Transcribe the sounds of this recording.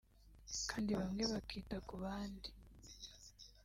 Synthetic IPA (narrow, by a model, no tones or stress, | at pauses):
kaːndiβamŋe̞βakʰiːtakuβaːndi